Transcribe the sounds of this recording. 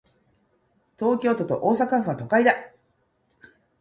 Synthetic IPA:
t̪o̞ːkʲo̞ːt̪o̞t̪o̞̰ʔoːsakaɸɯ̟βat̪o̞kaid̪a

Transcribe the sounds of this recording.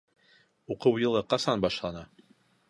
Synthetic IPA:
uqɤwjɤ̆lˠɤqɑsɑnbɑʃlˠɑnɑ

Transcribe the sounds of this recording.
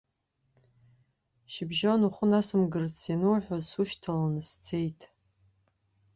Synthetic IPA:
ʃɪbʒonuχʷʊnasɨmɡɨrt͡sʰinɨwħʷᶣazsuʃtʰalanɨst͡sʰe̞jtʼ

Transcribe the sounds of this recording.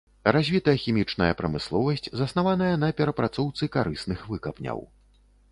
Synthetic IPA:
ɾazʲvʲit̪ɐjɐxʲimʲit͡ʂnɐjɐpɾɐmɨslˠɔvɐsʲt͡sʲzɐsnavan̪ɐjɐn̪ɐpʲɛɾɐpɾat̪sɔwt̪sɨkaɾɨsnɨxvɨkɐpnʲɐ̰w

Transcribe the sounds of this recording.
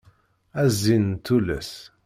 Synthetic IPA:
æzːint̪ːulə̰s

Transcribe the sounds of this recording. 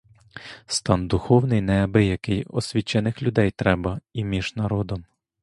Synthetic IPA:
st̪ɑnd̪ʊxɔwnɪjnɛɐbɪjɐkɪjɔsʲʋʲit͡ʃːɛnɪxlʲʊd̪ɛjt̪ɾɛbɐimʲiʒnɐɾɔd̪ɔm

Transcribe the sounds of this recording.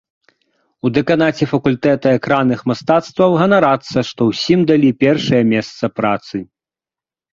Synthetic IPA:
ud̪ɛkanat͡sʲɛfɐkulʲt̪ɛt̪ɐɛkɾanɨxmast̪at̪st̪vɐwɣɐnaɾat̪sːɐʂt̪ɔwsʲimd̪alʲipʲɛrʂɐjɐmʲɛst̪sɐpɾat̪sɨ

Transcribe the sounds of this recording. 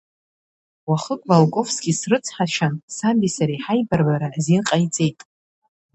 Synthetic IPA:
waχəkʼvalkʷʼo̞fsɡ̥ʲisrɨt͡sʰħaʃʰansambisaɾijħajbarbaɾazinqʼajt͡sʼe̞jtʼ

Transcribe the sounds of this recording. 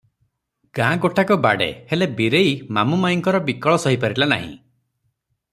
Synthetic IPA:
ɡ̥ãɡoʈakɔba̰ɽḛhelebiɾejmamumajŋkɔɾɔbikɔɭɔsɔɦipaɾilana̰ɦḭ̃

